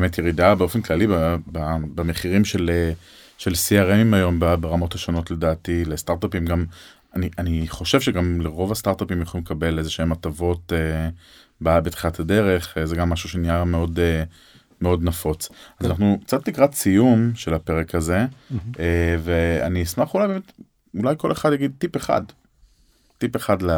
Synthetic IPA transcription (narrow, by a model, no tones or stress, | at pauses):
emet̪jeʁidabeo̞fenklalibababame̞χiʁimʃele | ʃelsiaʁemimajo̞mbabeʁamo̞thaʃono̞tle̞daːtilest̪aʁt̪apimɡam | aniʔaniχo̞ʃe̞vʃeɡamleʁo̞vastaʁt̪apimjχolimekabe̞lezeʃeematavo̞te | babet̪χilatʰade̞ʁe̞χezeɡamːaʃuʃeniameo̞de | meo̞d̪nafo̞t͡sazanaχnukt͡sat̪likʁat͡sijumʃelapeʁekʰaze̞evea̰niismaχulajbemet̪ | ulajko̞le̞χadjaɡid̪̚tipe̞χa̰d | tipeχadla